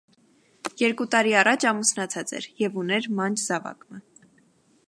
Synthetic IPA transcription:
jɛɾkut̪ɑɾiɑrɑt͡ʃʰɑmusnɑt͡sʰɑt͡sɛ̰ɾjɛvunɛɾmɑnd͡ʒzɑvɑ̰kmə

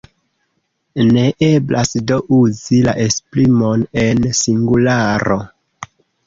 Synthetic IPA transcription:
ne̞ʔe̞blasdo̞ʔuzila̰ʔesplimone̞nsiŋɡulaɾo̞

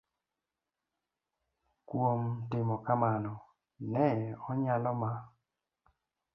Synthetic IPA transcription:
kwomtɪmɔkamanɔ | nɛɔɲalɔma

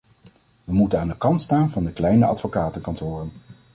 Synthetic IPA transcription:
ʋəmutənaːndəkɑntstaːnvɑndəklɛjnəɑ̰tfokaːtəkɑntʊːrən

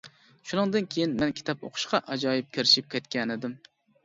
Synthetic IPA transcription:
ʃunɨŋd̪ɨnkʲʰejinmɛnkʲʰi̥t̪ʰɑpo̰qʰʊ̥ʃqʰɑʔɑd͡ʒɑːjip̚kʲʰɪɾɪʃip̚kʲʰɛt̪kʲɛnɪd̪ɪm

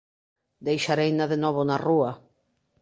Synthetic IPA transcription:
d̪ejʃaɾejnaðenɔβ̞onarua

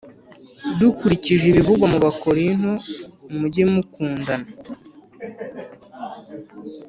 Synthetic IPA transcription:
dukuɾiciʒeβivuɡwamuβakoɾin̥houmuɟimukuːndana

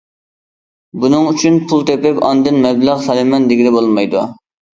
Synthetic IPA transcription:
bunɨŋyt͡ʃʰynpʰulˠt̪ʰepɪpɑnd̪ɨnmɛbləʁsɑlˠɪmɛnd̪ɪɡʲid̪ɛbolˠmɑjd̪u

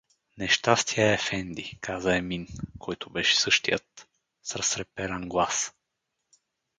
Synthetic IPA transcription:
nɛʃt̪ast̪iaɛfɛnd̪ikʰazɐɛminkʰɔjt̪ʊbɛʃɛ̥sɤʃt̪ijət̪ | sɾɐsɾɛpɛɾɐnɡlˠas

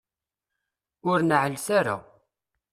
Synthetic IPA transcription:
ʊɾnəʕəlsaɾa̰

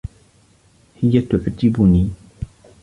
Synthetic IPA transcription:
hɪjat̪ʊʕd͡ʒɪbʊniː

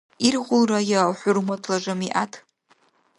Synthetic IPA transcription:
irʁʷʊlrajaħʷʊrmatʰlaʒʷamiʔatʰ

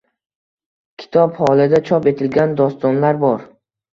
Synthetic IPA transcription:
kʲʰɪ̥t̪ʰɒphɒlˠad̪at͡ʃʰɒpe̞t̪ʰɪlɡʲand̪ɒst̪ɒnlaɾbɒɾ

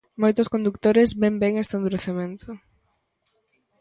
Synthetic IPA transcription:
mojt̪ʊskond̪ukt̪oɾɪzbembeŋest̪and̪uɾeθemẽnt̪ʰʊ

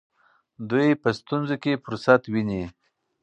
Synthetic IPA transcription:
d̪ujpəst̪unzokefʊɾsat̪wini

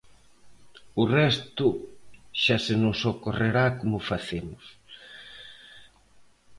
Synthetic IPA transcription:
ʊrɛst̪ʊʃasenʊsokoreɾakomʊfaθemʊs

